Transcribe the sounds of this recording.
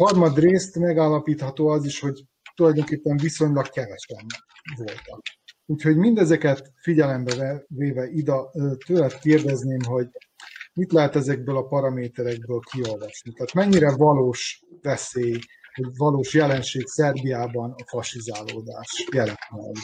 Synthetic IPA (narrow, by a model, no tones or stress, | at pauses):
hɒrmɒd̪reːst̪mɛɡaːlːɒpiːt̪hɒt̪oːɒziʃho̞ɟ | t̪ulɒjd̪oŋkeːpːɛɱviso̞ɲlɒkkɛvɛʃɛb | ʋo̞lt̪ɒk̚uːcho̞ɟmind̪ɛzɛkɛt̪fiɟɛlɛmbɛvɛveːvɛʔid̪ɛːt̪øːlɛt̪keːrd̪ɛzneːmɦo̞ɟ | mit̪lɛɦɛt̪ɛzɛɡ̚bøːlɒpɒɾɒmeːt̪ɛɾɛɡ̚bøːlkʰio̞lvɒʃnit̪ɛːt̪mɛɲːiɾɛvɒloːʃvɛseːjho̞ɟvɒloːʃjɛlɛnʃeːksɛrbijaːbɒnɒfɒʃizaːloːd̪aːʃjɛlɛt̪ma̰ːli